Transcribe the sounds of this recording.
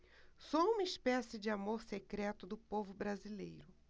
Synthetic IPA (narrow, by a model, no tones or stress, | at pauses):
soũmɐispɛsɪd͡ʒɪamoɾsekɾɛt̪ʊd̪ʊpovʊbɾazilḛjɾʊ